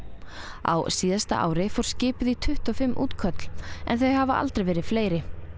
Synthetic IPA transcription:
a̰wsiːðast̪a̰ʔa̰ːwɾɪfɔwɾ̥scɪːpʏðit̪ʰʏht̪ɔfɪmːʔṵːt̪kʰœt̪l̥ɛ̰nθœɥhavaʔa̰lt̪ɾejvɛːɾɪð̥fleːjɾɪ

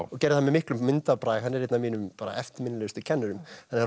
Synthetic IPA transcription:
ɔcɛɾɪθhanmɛmɪhklʏmmɪnt̪apɾaːjɦanːɛɾ̥et̪namiːnʏmpaːɾa̰ʔɛft̪ɪmɪnɪlɛst̪ɪcʰɛnːʏɾʏmanːɛ

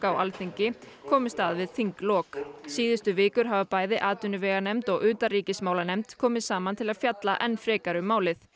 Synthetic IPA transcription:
kaːwʔa̰lθiɲcɪ | kʰɔːmɪst̪aːðvɪðθiŋklɔːksiːðɪst̪ʏvɪːkʏɾ̥ɦavapaːjðɪʔaːt̪ʏnʏvɛːɣanɛmt̪ɔɣʏːt̪aɾiːcɪsmaːwlanɛjmt̪kʰɔːmɪðsaːmant̪ʰɪlaðfjat̪laʔɛnːfɾɛːkaɾʏmaːwlɪθ

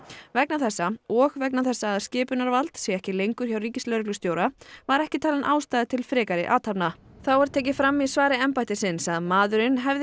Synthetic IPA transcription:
vɛknaθɛsːaɔɣvɛknaθɛsːaːðscɪːpʏnaɾvalt̪sɛɣɛhcɪlejŋkʏɾ̥çawriːcɪslœɾklʏst̪joːwɾavaɾɛhcɪt̪ʰaːlanʔaːwst̪ajðɪt̪ʰɪlfɾɪːkaɾɪʔaːt̪ʰapna | θawvaɾ̥t̪ʰeːcɪfɾamːisvaːɾɪɛmpajt̪ɪsɪnsaðmaːðʏɾɪnɦɛvðɪ

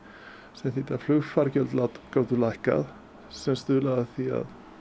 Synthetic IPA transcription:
sɛmθit̪aflʏɣfaɾcœlt̪lat̪kaːwt̪ʏlajhka̰ð | sɛmst̪ʏːlaðaθia̰ð

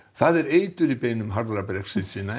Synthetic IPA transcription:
θaðɛɾeːjt̪ʏɾipeːjnʏmɦaɾðɾapɾɛksɪsiːna

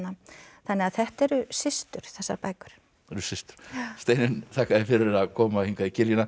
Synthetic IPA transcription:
nːaθanːɛaðθɛht̪ɛɾʏsɪst̪ʏɾ̥θɛsːa̰ɾpaːjkʏ̥ɾ̥ | ɛɾʏsɪst̪ʏ̥ɾ̥st̪eːjnɪnt̪ʰaːkaðɪfɪɾɪɾaðkʰɔːmahiŋkaðicɪljɪna

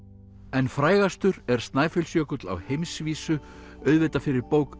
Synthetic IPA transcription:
ɛnfɾaːjɣast̪ʏɾɛɾ̥st̪naːjfɛlsjœːkʏt̪la̰whejmsviːsʏ | œɥðvɪt̪afɪɾɪɾpowk

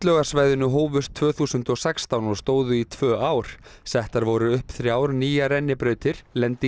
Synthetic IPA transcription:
t̪lœːɣasvaːjðʏnʏɦoːwvʏst̪ʰv̥œːθuːsʏnt̪ɔsɛkst̪awnɔst̪oːwðʏit̪ʰvœːʔaːwɾ̥ | sɛht̪aɾvɔɾʏʏhpθɾjaːwɾniːjaɾɛnːɪpɾœːɥt̪ʰɪɾ̥lɛnt̪i

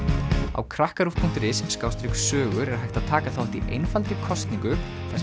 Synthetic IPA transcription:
a̰wkʰɾahkaɾufpʰuŋ̥t̪ɾɪsskaːwst̪ɾiksœːɣʏɾɛɾḁɾɦajht̪aðt̪ʰaːkaθawant̪iʔejnfalt̪ɾɪkʰɔst̪niŋkʏ | θɛs

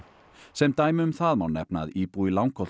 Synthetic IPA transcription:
sɛmd̪ajmʏmθaːðmɔnːɛpna̰ðiːpuːilawŋkʰɔl

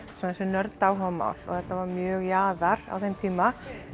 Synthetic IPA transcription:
sɛmθɛsʏnœɾt̪awɦɔma̰wlɔ̰ɣθɛht̪ːavaɾmjœːɣjaːðaɾ̥a̰wθejmt̪ʰiːma

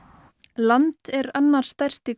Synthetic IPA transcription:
lant̪ɛɾanːaɾ̥st̪ajr̥t̪i

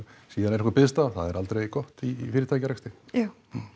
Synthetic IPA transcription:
siːðanɛɾhkvapɪðst̪aθaðɛɾʔalt̪ɾejkɔht̪iːfɪːɾɪt̪ʰaːjcaɾɛst̪ɪja

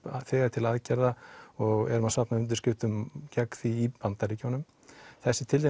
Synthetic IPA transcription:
θɛːɣat̪ʰɪlaðcɛɾðaɔɣɛ̰ɾʏmaðsapnaʏnt̪̬ɪɾscɪft̪ʏmcʰakθiːpant̪aɾiːcawnʏm | θɛsːɪt̪ʰɪlt̪̬e

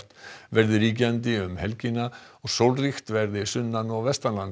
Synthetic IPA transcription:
t̪vɛɾðɪɾiːc̬ɪant̪ɪʏmhɛlcɪnaɔɣsowlrixt̪vɛɾðɪsʏnːanɔɣvɛst̪alan

